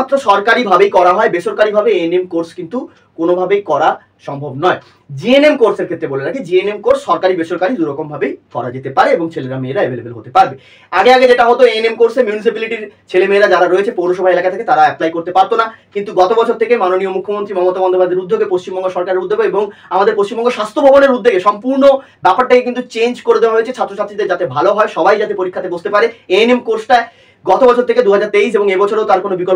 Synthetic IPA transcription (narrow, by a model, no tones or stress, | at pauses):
t̪ːɾoʃɔɾkaɾibʱabejkɔɾaɦɔebeʃoɾkaɾibʱabeenemkoɾskint̪u | konobʱabejkɔɾa | ʃɔmbʱobnɔe | d͡ʑienemkoɾseɾkʰet̪ːɾeboleɾakʰed͡ʑienemkoɾsʃɔɾkaɾibeʃoɾkaɾid̪uɾɔkombʱabejkɔɾa̰d͡ʑet̪epaɾeeboŋt͡ɕʰeleɾameːɾaebʱelebelɦot̪epaɾbe | aɡeaɡed͡ʑeʈaɦɔt̪oenemkoɾsemjunis̬ipiliʈiɾt͡ɕʰelemeːɾad͡ʑaɾaɾoet͡ɕʰepownoʃɔbʱaelakat̪ʰeket̪aɾaɛplajkoɾt̪epaɾt̪onakint̪uɡɔt̪obɔt͡ɕʰoɾt̪ʰekemanoniomukʰːomont̪ɾimɔmot̪abɔnd̪ʱobad̪ʱeɾud̪ʱːoɡepost͡ɕimbɔŋɡoʃɔɾkaɾeɾud̪ːeɡoeboŋamad̪eɾpost͡ɕimbɔŋɡoʃast̪ʰobʱɔboneɾud̪ʱːeɡeʃɔmpuɾno | bɛpaɾʈakekint̪ut͡ɕend͡ʑkoɾed̪eaɦoet͡ɕʰet͡ɕʰat̪ːɾot͡ɕʰat̪ːɾid̪eɾd͡ʑat̪ebʱaloɦɔeʃɔbajd͡ʑat̪epoɾikʰːat̪ebost̪epaɾeenemkoɾsʈae | ɡɔt̪obɔt͡ɕʰoɾt̪ʰeked̪uɦad͡ʑaɾt̪eis̬eboŋebɔt͡ɕʰoɾewt̪aɾkonobikɔl